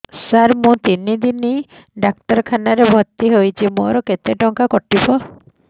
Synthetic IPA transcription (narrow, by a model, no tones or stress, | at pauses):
saɾmũt̪inid̪ini | ɖak̚ʈɔɾkʰanaɾebʱɔt̪iɦojt͡ʃʰimo̰ɾɔket̪eʈɔŋkakɔʈibɔ